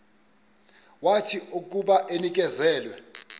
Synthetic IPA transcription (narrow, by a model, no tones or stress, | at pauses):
watʰiuk̬ʼuɓaʔenik̬ʼɛzɛːlwɛ